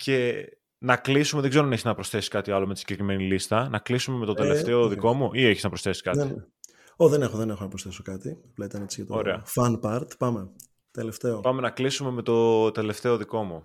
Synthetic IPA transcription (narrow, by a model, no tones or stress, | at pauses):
ce̞ | nɐklisumeðeɡze̞ɾoɐneçiznɐpɾosθe̞si̥kɐt̪iɐlo̞met̪i̥sɲɟe̞kɾime̞nilist̪ɐnɐklisume̞me̞t̪o̞t̪eleftt̪e̞oðiko̞muʔieçiznɐpɾosθe̞si̥kɐt̪i | oðenexoðenexonɐpɾosθe̞sokɐt̪iɐplɐit̪ɐne̞t͡siʝɐt̪ooɾeɐ̰fɐnpɐɾt̪pɐme̞ | t̪e̞le̞ft̪e̞opɐme̞nɐklisume̞me̞t̪o̞t̪e̞le̞ft̪e̞o̞ðiko̞mu